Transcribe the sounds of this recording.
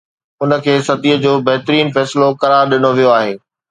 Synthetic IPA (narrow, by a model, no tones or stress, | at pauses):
ʊnə̆kʰeːsɐd̪ʱiːəd͡ʑoːbɐɦt̪ɾiːnfɛːsɪlokɐɾaːɾɗɪnoʋijoaːɦeː